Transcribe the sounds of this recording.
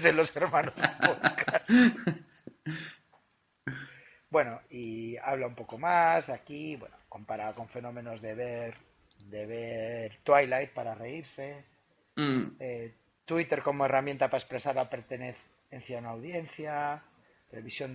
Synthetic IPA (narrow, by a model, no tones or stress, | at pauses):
senlo̞se̞ɾmãnozepoðkas | bwe̞no̞ia̰βlaumpo̞ko̞masakiβwḛnoko̞mpaɾako̞ɱfe̞nõ̞mẽ̞no̞zðe̞βeɾ | d̪eβeɾt̪wajlajt̪̚paɾare̞iɾse̞ | e | t̪wit̪e̞ɾko̞mo̞e̞ramjent̪apae̞spɾe̞saɾape̞ɾt̪eneθ | enθjaunaːwðje̞n̟θja | t̪eleβisjo̞n